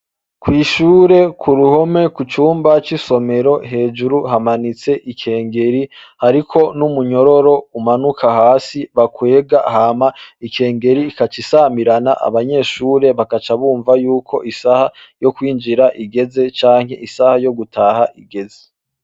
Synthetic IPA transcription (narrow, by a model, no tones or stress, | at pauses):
kwiːʃuːɾe̞kʰuɾuho̞me̞kut͡ʃuːmbat͡ʃiso̞me̞ɾo̞ɦe̞ːd͡ʒuɾuɦamanit͡se̞ʔikʰe̞ːŋɡe̞ɾihaɾikʰo̞numuɲo̞ɾo̞ɾo̞umanukʰahaːsiβakwe̞ːɡaɦaːmaike̞ːŋɡe̞ɾiːkat͡ʃisamiɾanaʔa̰βaɲe̞ːʃuːɾe̞βakat͡ʃaβuːɱvajuːkʰo̞ʔisahajo̞kwiːnd͡ʒiɾaʔiɡe̞ze̞t͡ʃaːŋ̥he̞̰ʔisahajo̞ɡutaːhaʔiɡe̞ze